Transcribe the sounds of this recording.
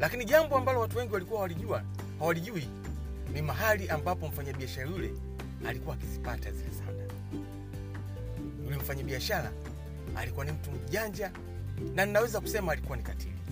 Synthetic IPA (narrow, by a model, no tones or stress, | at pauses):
lakiniʄambɔambalɔwatuwɛŋɡiwalikuwawaliʄua | hawaliʄui | nimaɦaliʔambapɔm̩faɲaɓiaʃalajulɛ̰ | alikuwaːkizipatazilɛ̰sa̰ɗa | julim̩faɲaɓiaʃala̰ | a̰likuwanim̩tum̩ʄaɲd͡ʒa | naninawɛzaku̥sɛmaːlikuwanikatʰḭli